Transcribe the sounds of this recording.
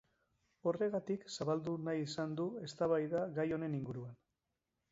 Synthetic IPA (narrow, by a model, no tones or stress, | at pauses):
o̞re̞ɣat̪iksaβald̪unajisand̪ue̞st̪aβajðaɣajo̞ne̞niŋɡuɾuan